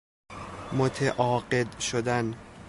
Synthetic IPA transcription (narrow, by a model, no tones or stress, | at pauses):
mot̪ʰeʔɒːɢed̪ʃod̪æn